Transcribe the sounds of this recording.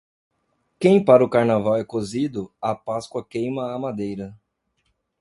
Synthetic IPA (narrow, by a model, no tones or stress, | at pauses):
kẽj̃paɾʊkaɾnavawɛkozid̪ʊɐpaskwɐkẽj̃mɐːmad̪ejɾɐ